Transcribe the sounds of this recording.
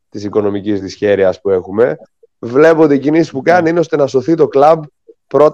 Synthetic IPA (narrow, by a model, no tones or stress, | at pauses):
t̪isiko̞no̞micizðisçe̞ɾiɐspue̞xume̞ | vle̞poot̪eicinisispukɐniineost̪e̞nɐso̞θit̪o̞klɐb | pːɾo̞t̪